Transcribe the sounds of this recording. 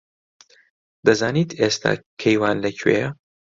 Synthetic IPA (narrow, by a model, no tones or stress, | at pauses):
d̪ɐzaːniːt̪ʰeːst̪ʰa̰ːkʰejwaːnlɐcʰɥḛjɐ